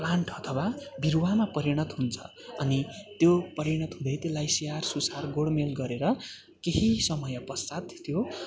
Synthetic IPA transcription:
plaɳʈʌt̪ʰʌwabiɾuwamapʌɾiɽ̃ʌt̪ɦunt͡sʰʌ̥̰ʌnit̪jopʌɾiɽ̃ʌt̪ɦũd̪ʌjt̪elːajsijarsusarɡoɽmelɡʌɾeɾʌ | keɦisʌmʌjʌpʌsat̪t̪jo

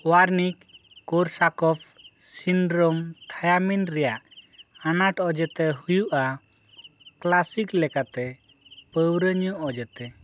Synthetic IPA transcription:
waɾnikːɔɾsakɔp̚ʰsinɖɾomt̪ʰajaminɾɛjaʔanaʈɔd͡ʒɛt̪ɛɦujuʔa | klasiklɛkat̪ɛpəwɾəɲɔʔɔd͡ʒɛt̪ɛ

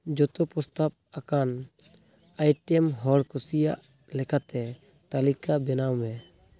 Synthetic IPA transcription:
d͡ʒɔt̪ɔpɔst̪ap̚akan | ajʈɛmɦɔlkusija̰ʔ | lɛkʰat̪ɛ | t̪alikabɛnawmɛ

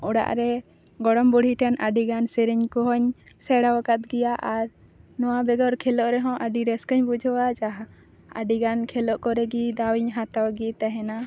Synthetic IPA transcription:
ɔɽa̰ʔɾɛ | ɡɔɽɔmbɔɽ̤ʱiʈanaɖiɡansɛɾiɲkɔɦɔɲ | sɛɽawakat̪ɡɛjaʔaɾ | nɔwabɛɡɔɾkʰɛlɔʔɾɛɦɔ̃ʔəɖiɾɛskəɲbud͡ʒʱɔwad͡ʒaɦa | aɖiɡankʰɛlɔʔkɔɾɛɡid̪awiɲɦat̪awɡit̪aɦɛna

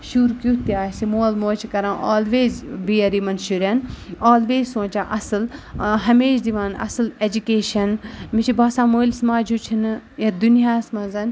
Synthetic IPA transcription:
ʃuːɾkʲut̪jaːsimoːlmoːt͡ʃʰikɐɾãːʔaːlʋeːzbiːɐɾimɐnʃuɾɐnaːlʋeːzʲsõːt͡ʃãːʔɐsɨlɦɐmeːʃd̪iʋaːnɐ̰sɨled͡ʒukeːʃɐnmit͡ʃʰibaːsãːmoːlʲsmaːd͡ʒut͡ʃʰinjɐd̪unijaːsmɐ̃nzɐn

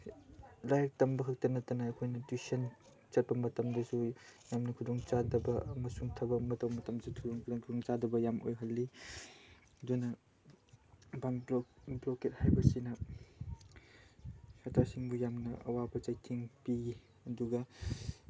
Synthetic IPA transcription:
lajɐk̚tɐmbɐɦʰɐk̚tɐnːɐtɐnɐːkʰojnɐtwisɐn | t͡ʃɐt̚pɐmɐtɐmdɐsujamnɐkʰudoŋt͡ʃadɐbɐɐmɐsuŋtʰɐbɐmɐtɐwmɐtɐmsʰutʰudoŋkʰkʰudoŋt͡ʃadɐbɐjamʔo̰jɦɐlːi | ɐdunɐ | banbɾoket̚hajbɐsinɐ | satasiŋbujamnɐʔɐ̰wabɐt͡ʃajtʰiŋpi | ɐduɡɐ

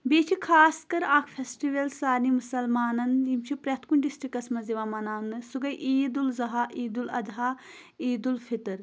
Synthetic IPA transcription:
beːt͡ʃʰikʰaːskɐɾaːkʰfʰesʈiʋɐlsaːnimusɐlmaːnɐnjimt͡ʃʰipɾɐt̪kuɳɖisʈɾikɐsmɐnziʋɐmɐnaːnɨsuɡɐjʔiːd̪ulzɐɦaʔiːd̪ulɐ̰d̪ɦaː | iːd̪ulfʰit̪ɨɾ

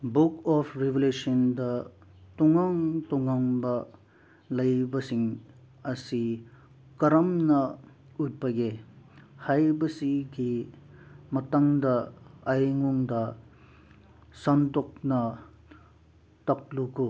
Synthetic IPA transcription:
bukɔpʰɾebelesɐndɐ | tuŋaŋtuŋaŋbɐ | lɐjbɐsiŋ | ɐsi | kɐɾɐmnɐ | ut̚bɐɡe | hajbɐsiɡi | mɐtaŋdɐːjŋuŋdɐ | sɐntok̚nɐ | tɐk̚luku

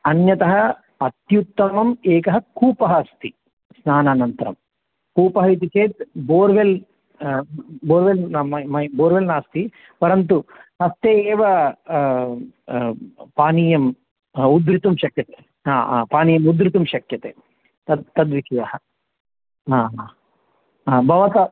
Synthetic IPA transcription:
ɐnjɐt̪ɐɦɐ̆ | ɐt̪jut̪ːɐmɐmeːkɐɦɐkuːpɐɦɐst̪i | snaːnaːnɐnt̪ɐɾɐ̰m | kuːpɐɦɐit̪̬ikʰeːt̪boːɾʋel | boːɾʋelɐmɐmɐboːɾʋelnaːst̪i | pɐɾɐnt̪uɦɐst̪eːʋɐ | paːniːjɐm | ud̪ɾit̪umʃɐkjɐt̪eː | ɦa̰ːpaːnijɐmud̪ɾit̪umʃɐkjɐt̪eː | t̪ɐt̪ɐd̪ʋikʰijɐɦɐ | aː | bʱɐʋɐt̪ɐ

